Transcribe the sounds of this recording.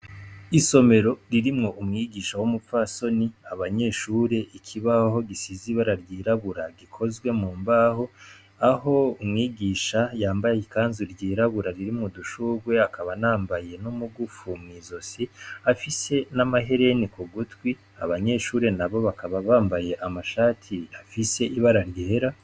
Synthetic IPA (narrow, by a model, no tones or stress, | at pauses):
iso̞me̞ɾo̞ɾiɾimŋo̞ʔumŋiːɡiːʃawumufaso̞niaβaɲe̞ʃuːɾe̞ʔikʰiβaho̞ɡisiziβaɾaɾjiːɾaβuɾaɡikʰo̞zwe̞muːmbaho | aɦo̞umŋiːɡiːʃajaːmbajaikaːnzuɾɟiːɾaβuɾaɾiɾimŋuduʃuːɡwe̞akaβanaːmbaje̞numuɡufumŋiːzo̞siafise̞namaɦe̞ɾe̞nikuɡutwi | aβaɲe̞ʃuːɾe̞naβo̞βakaβaβaːmbaje̞ʔamaʃaːtʰiafise̞ʔiβaɾaɾjeːɾa